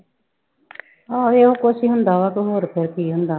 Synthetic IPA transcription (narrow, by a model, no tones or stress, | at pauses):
aːeːɦoːkosĩːɦʊnd̪aːʋaːkoɦoːɾpʰeɾkiːɦʊnd̪aː